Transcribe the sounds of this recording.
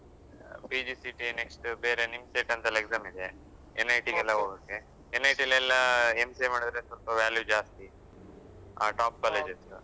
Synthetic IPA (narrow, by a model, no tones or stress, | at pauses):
pid͡ʒisiʈineksʈbeːɾenimseʈɐnt̪ɐlekzaːmid̪e̞ | enːɐjʈiɡɛlːɐɦoːɡeːkːe | enːɐjʈilːɐɛlːɐemsemaːɽid̪ɾesʋɐlpɐʋaːljud͡ʒaːst̪i | a̰ːʈaːp̚kaːled͡ʒes